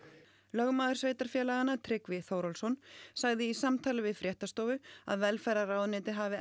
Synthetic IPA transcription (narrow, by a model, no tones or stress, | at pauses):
lœɣmaːðʏɾsveːjt̪aɾ̥fjɛːlaɣanːat̪ʰɾɪkvɪθowɾɔlsɔnsaɣðɪisamt̪ʰaːlɪvɪðfɾjɛht̪ast̪oːwvʏa̰ðvɛlfɛɾaɾawðnɪːt̪ɪɦavɪ